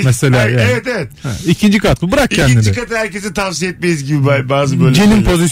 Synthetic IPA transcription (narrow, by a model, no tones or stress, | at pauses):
mɛse̞lʲaːjaevɛt̪evɛt̪icʰind͡ʒikʰat̪̚bubɯɾak̚cʰːænːʲiɾd͡ʒiɛkat̪ɯhæɾcesit̪ʰavsijɛt̪̚mejizɟibibabaːzɯbøjlʲd͡ʒenimpʰo̞zis